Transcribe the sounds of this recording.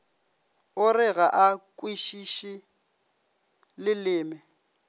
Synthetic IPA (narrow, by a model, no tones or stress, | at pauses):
ʊrɪɣaʔakʼwiʃiʃi | lɪlɪːmɪ